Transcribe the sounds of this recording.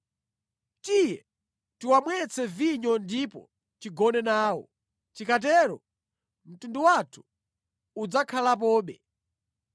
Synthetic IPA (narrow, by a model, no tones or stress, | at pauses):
tijɛ | tiwamwɛt͡sʰɛviɲɔndipɔ̰ | t͡ʃiɡɔnɛnaːwɔ̰ | t͡ʃikat̬ɛɾɔ | m̩tunduwatʰu̥ | ud͡zakʰalap̬ɔːɓɛ